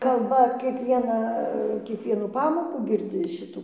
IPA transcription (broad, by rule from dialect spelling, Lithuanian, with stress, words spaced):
kɐlˠˈbɐ kʲiɛˈkʋʲiɛnɑː kʲiɛˈkʋʲiɛnuː ˈpɑːmoːkuː ɡʲɪrʲˈd͡zʲɪ ˈʃʲɪtuː